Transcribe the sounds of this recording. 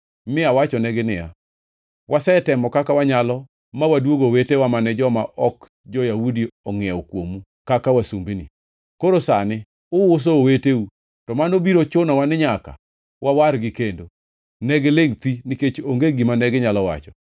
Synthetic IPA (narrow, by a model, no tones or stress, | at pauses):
mɪawat͡ʃɔnɛɡɪnɪja̰ | wʔasɛtɛmɔkakawaɲalɔ | mawadwoɡowetewamanɛd͡ʒɔmaʔɔk | d͡ʒɔjawudiɔŋɪɛwɔkwomu | kakawasumbinḭ | koɾosanɪ | ʊwʊs̬ooweteu | tɔmanobiɾot͡ʃʊnawanɪɲaka̰ | wawaɾɡɪkendo | nɛɡeleŋt̪iniket͡ʃoŋɡeɡimanɛɡɪɲalɔwa̰t͡ʃɔ